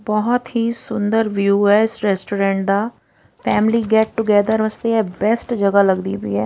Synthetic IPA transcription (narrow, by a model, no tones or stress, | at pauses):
bɔɦɔt̪ɦiːsʊnd̪əɾʋjuːɛːɪsɾɛːsʈoːɾɛ̃ːɳʈ̚d̪aː | pʰɛːmliːɡɛːʈ̚ʈʊɡɛːd̪əɾʋəst̪eːɛːbɛsʈd͡ʒəɡaːləɡd̪ḭːbḭːɛː